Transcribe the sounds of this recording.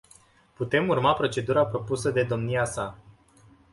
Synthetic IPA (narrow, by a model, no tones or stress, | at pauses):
put̪e̞murmapɾo̞t͡ʃe̞d̪uɾapɾo̞pusəd̪e̞d̪o̞mniasa